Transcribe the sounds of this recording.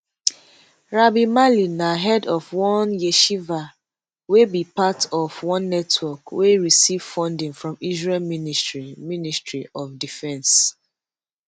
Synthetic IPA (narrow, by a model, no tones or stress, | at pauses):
ɹabimalinaɦɛdɔvwɔ̃njeʃiva | webipatɔvwɔ̃nːɛtʰwɔkweɹisiv̥fɔ̃ndĩŋfɹɔ̃mizɹɛlminisɹiministɹiɔvdifɛ̃ns